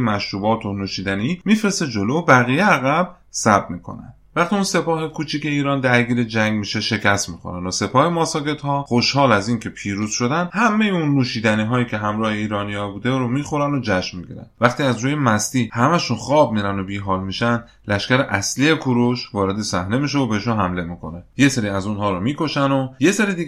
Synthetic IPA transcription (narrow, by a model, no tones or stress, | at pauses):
mæʃɾuːbɒːt̪ʰonuːʃiːd̪æniimiːfɾe̞st̪e̞d͡ʒo̞lobæɣijeæɣæb̥ | sæb̚miːkʰo̞̰næ̰nvæχt̪iunse̞pɒːɦe̞kʰuːt͡ʃʰiːkʰe̞iːɾɒːnd̪æɾɡiːɾed͡ʒæŋɡmiːʃeʃe̞cʰæst̪mixo̞̰ɾænd̪ose̞pʰɒːhemɒːsɒːke̞d̪̥hɒːχoʃhɒːlæziːnkʰe̞pʰiːɾuz̥ʃo̞d̪ænhæmːejeunːuːʃiːd̪æniːɦɒːjiːcʰʲe̞ɦæmɾɒːheiːɾɒːnijɒːbuːd̪eɾomiːxo̞ɾænod͡ʒæʃmmiɡḭɾæ̰nd̪væχt̪iːæzɾuːje̞mæst̪iːhæmæʃunχɒːb̚miːɾænd̪obiːɦɒːlmiʃænd̪ | læʃkʲæɾeʔæslie̞kʰoɾoʃvɒːɾe̞d̪e̞sæhne̞miʃ̬evobeheʃunɦæmle̞miːkʰo̞neje̞se̞ɾiːæzunɦɒːɾɔmiːko̞ʃænoje̞seɾid̪i